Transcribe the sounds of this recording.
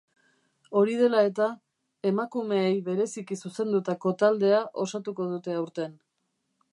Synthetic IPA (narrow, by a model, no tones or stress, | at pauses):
o̞ɾið̞e̞lae̞t̪a | e̞makume̞ːjβe̞ɾe̞sikisuse̞nd̪ut̪ako̞t̪ald̪e̞aʔo̞sat̪uko̞ð̞ut̪e̞awɾt̪e̞n